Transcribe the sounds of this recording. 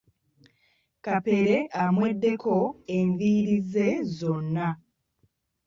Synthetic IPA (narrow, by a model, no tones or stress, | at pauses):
kape̞ɾe̞ʔamwe̞dːe̞kʰo̞eɱviːɾize̞zo̞nːa